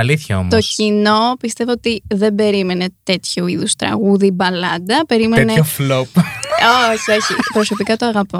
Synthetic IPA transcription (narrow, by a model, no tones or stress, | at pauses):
ɐliθçɐo̞̰mt̪o̞cino̞pist̪e̞voot̪iðe̞be̞ɾime̞net̪e̞t̪çuiðust̪ɾɐ̰ɣuðibɐlɐd̪ɐpe̞ɾimeneoflopoçio̞çipɾo̞so̞pikɐt̪oɐɣɐpo